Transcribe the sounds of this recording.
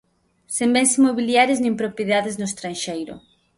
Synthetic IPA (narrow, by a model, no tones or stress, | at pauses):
sembɛnsimoβiljaɾɪznẽmpɾopjeðaðɪznʊest̪ɾanʃejɾʊ̰